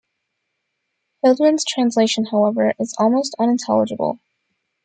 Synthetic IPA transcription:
hɪlˠdɹɨ̃nz̥tʰɹ̥æ̃nsleɪʃɨ̃n̩haʊɛvə˞ʔɨzɔ̰lˠmoʊstʌ̃ñɨ̃ntʰɛ̰lˠəd͡ʒəbl̩ˠ

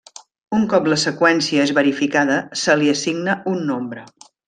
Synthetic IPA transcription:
uŋkɔpləsəkwɛnsiəezβəɾifikaðəsəliəsiɡnəunːombɾə

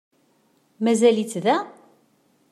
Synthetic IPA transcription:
mæzælit͡sːðæ

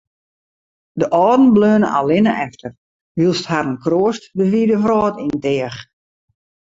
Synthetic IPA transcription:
dəʔɔːdn̩bløːnəʔa̰lɪnəʔɛftʰər | ʋilˠsthaɾənkroəstdəfidəfrɔːtintɪəx

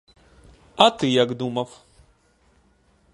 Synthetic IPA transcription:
at̪ɨjakd̪umaf

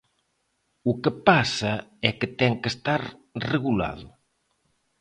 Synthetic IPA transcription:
ukepasaɛket̪ɛŋkest̪aɾreɣula̰ðʊ̰

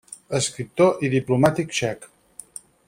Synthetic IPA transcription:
əskɾip̚t̪oʔiðiplumat̪ikʃɛk

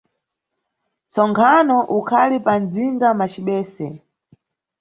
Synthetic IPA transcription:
t͡sɔŋkʰanɔʔukʰalipanziŋɡamat͡ʃiɓɛːsɛ

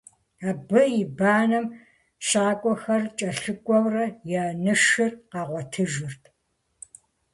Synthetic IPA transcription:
aːbɐjɪbaːnɐm | ʃaːkʷʼɔxɐrt͡ʃʼɐɬɨkʷʼɔwrɐjaːnɨʂɨrqɑːʁʷɔtʰɨʒɨrtʰ

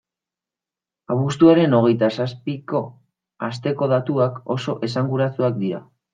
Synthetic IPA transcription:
aβust̪uaɾe̞no̞ɣ̞e̞jt̪asaspiko̞ | ast̪e̞ko̞ð̞at̪uako̞so̞ʔe̞saŋɡuɾat͡suakd̪iɾa̰

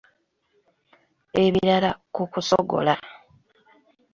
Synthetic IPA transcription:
e̞βiɾalakukusoɡo̞̰la

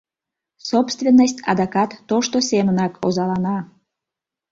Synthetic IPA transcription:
sopst̪vʲenːəsʲtʲɑ̰d̪ɑkɑt̪ːoʃt̪osʲemənɑkʰozɑlɑnɑ

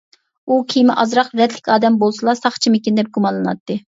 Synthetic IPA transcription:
ukʲʰijmɪʔɑzɾɑqɾɛd̪lɪkʲɑːd̪ɛmbolˠsɨlˠɑsɑχt͡ʃʰimɪkʲind̪ɛp̚ɡumɑnlˠɨnɑ̰t̪ːɨ

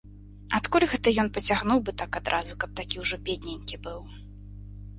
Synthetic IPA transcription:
at̪kulʲɣɛt̪ɐjɔnpɐt͡sʲaɣnuwbɨt̪akad̪ɾʔazukɐp̚t̪akʲiwʐɔbʲed̪ʲnʲɛnʲkʲibɨw

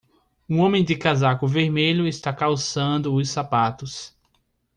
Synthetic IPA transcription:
ũõmẽj̃d̪ɪkazakʊveɾmeʎʊɪst̪akawsɐ̃nd̪ʊʊsapat̪ʊs

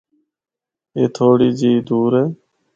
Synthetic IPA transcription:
eːt̪ʰoːɽiːd͡ʒiːd̪uːɾeː

